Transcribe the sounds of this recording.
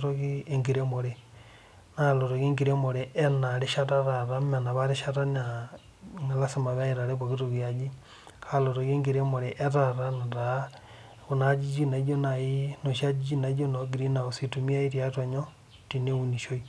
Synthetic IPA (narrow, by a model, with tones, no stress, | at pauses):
toɣieŋɡi˨ɾemo˨ɾe | nalo˨ɾo˨ɣe˦ŋɡiɾemo˨ɾe˨ʔe˦naɾeʃa˦ɾaɾaɾa˦ma˨na˨βaɾeʃaɾa˦na | nala˦se˨ma˨βa˦iɾaɾe˦βoɣitoɣiad͡ʒi˦ | kʰaloɾo˨ɣe˦ŋɡiɾemo˨ɾeʔe˦ɾaɾanaɾa | ku˨nad͡ʒit͡ʃi˦na˨˦d͡ʒo˦naino˨ʃa˦d͡ʒit͡ʃi˦na˨id͡ʒo˦noɡi˨ɾi˦na˨osi˨tu˨mi˦a˦i˦ɾjatwa˨ɲo˦ | tine˦uni˨ʃo˦i